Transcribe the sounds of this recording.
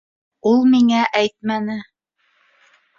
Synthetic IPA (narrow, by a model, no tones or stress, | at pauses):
ulˠmiŋæʔæjt̪̚mænɘ